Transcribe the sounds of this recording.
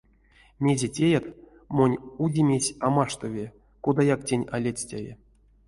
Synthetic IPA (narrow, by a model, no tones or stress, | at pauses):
mʲe̞zʲetʲejat̪ | mo̞nʲudʲimʲesʲamaʂt̪ovʲe | kod̪ajaktʲenʲa̰lʲet͡sʲtʲavʲḛ